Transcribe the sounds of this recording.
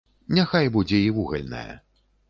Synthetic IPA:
nʲaxajbud͡zʲɛivuɣɐlʲnɐ̰jɐ̰

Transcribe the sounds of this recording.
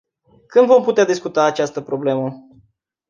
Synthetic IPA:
kɨnd̪vo̞mput̪ead̪iskut̪aːt͡ʃast̪əpɾo̞ble̞mə

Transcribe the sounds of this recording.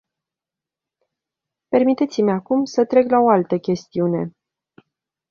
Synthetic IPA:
pe̞rmit̪e̞t̪simʲakumsət̪ɾe̞klao̞alt̪əkʲe̞st̪iune̞

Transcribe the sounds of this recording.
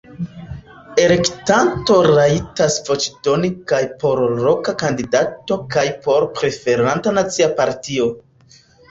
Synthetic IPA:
e̞le̞ktanto̞ɾaitasvot͡ʃidonikajpo̞ɾɾo̞kakandidato̞kajpo̞ɾpɾe̞fe̞ɾantanat͡siapaɾtio̞

